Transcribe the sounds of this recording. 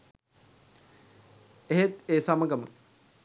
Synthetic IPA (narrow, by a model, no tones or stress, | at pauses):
eɦet̪eːsamɐɡɐmə